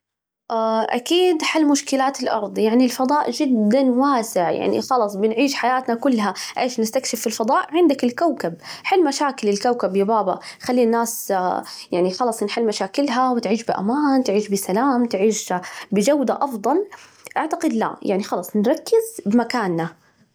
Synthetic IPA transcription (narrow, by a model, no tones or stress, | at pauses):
ʔaʔa̰kiːd̪ħalːmʊʃkɪlaːt̪ɪlʔɑ̰ɾˤd̪ˤjaʕnilfɑd̪ˤɑːʔd͡ʒɪd̪ːanwaːsɪʕja̰ʕnḭxɑlɑsˤbɪnʕiːʃħajaːt̪nakʊlːɦaʔeːʃnɪst̪akʃɪfɪlfɑðˤɑːʔʕɪnd̪akɪlkawkab̚ħɪlːmaʃaːkɪlɪlkawkabjabaːbɑxalːiːnːaːs | jaʕnixɑlɑːsˤnħɪlːmaʃaːkɪlɦawɪt̪ʕiːʃbɪʔa̰maːnt̪ʕiːʃbɪsalaːmt̪ʕiːʃbɪd͡ʒawd̪aʔɑfd̪ˤɑl | ʔaʕt̪aqɪd̪la̰jaʕnixɑlɑːsˤnɾˤɑkːɪzbɪmakaːnːa